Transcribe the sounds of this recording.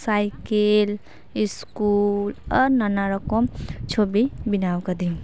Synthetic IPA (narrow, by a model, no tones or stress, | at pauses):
sajkel | iskulɔɾnanaɾəkɔmt͡ʃʰobibinawkəd̪i